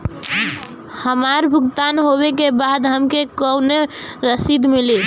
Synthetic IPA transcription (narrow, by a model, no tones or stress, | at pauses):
həmaɾbʱuɡt̪anɦoβekebad̪ɦəmkekəwneɾəsid̪mili